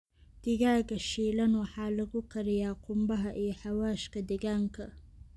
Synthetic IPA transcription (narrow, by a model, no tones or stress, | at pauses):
d̪̥ɪɡaːɡɐʃilɐnwɑħɑːlɐɡʊkʰɐɾɪjaːqʊmbɐɦɐʔijħawaːʃkɐd̪ɪɡaŋkʰɐ